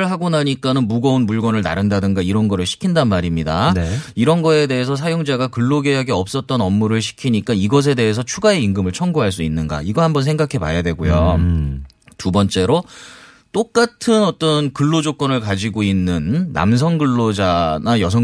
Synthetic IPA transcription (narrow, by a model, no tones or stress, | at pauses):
ɭɦaɡonaɲik͈anɯnmuɡʌunmuɭɡwʌnɯɭna̰ɾɯndadɯŋɡaiɾʌnɡʌɾɯɭɕʰi̥kʰindanmaɾimɲidaneiɾʌnɡʌe̞de̞esʰʌsʰajoŋd͡ʑaɡakɯɭːoɡeɦaɡeʌp̚s͈ʌt̚t͈ʌnʌmːuɾɯɭɕ̬ʰi̥kʰiɲik͈aiɡʌs̬ʰe̞de̞ɦes̬ʰʌt͡ɕʰuɡae̞iŋɡɯmɯɭt͡ɕʰʌŋɡuɦaɭs̬͈uinːɯnɡa̰iɡʌhambʌns̬ʰe̞ŋɡakʰe̞pa̰jadweɡojo | tubʌnt͡ɕ͈e̞ɾo | t͈ok͈̚atʰɯnʌt͈ʌnkɯɭːod͡ʑok͈ʌnɯɭkad͡ʑiɡoinːɯnːa̰ms̬ʰʌŋɡɯɭːod͡ʑanajʌs̬ʰʌ